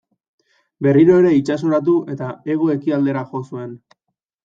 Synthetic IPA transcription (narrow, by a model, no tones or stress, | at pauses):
be̞riɾo̞e̞ɾe̞it͡ʃaso̞ɾat̪̬uʔe̞t̪ae̞ɣo̞e̞kiald̪e̞ɾaxo̞sue̞n